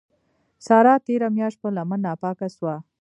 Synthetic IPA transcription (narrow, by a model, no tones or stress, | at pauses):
sɑɾɑt̪eɾamjɑʃt̪̚pəlamanːɑpɑkaswa